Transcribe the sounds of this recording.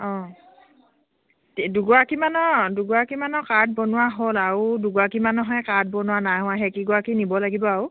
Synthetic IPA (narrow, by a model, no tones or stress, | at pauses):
ɔ̃ | tiduɡɔakimanɔduɡɔakimanɔkat̚bɔnʊwaɦolaɹuduɡɔakimanɔɦɔjkat̚bɔnʊwanajɦɔ̃aɦɛkiɡɔakinibɔlaɡibɔaɹu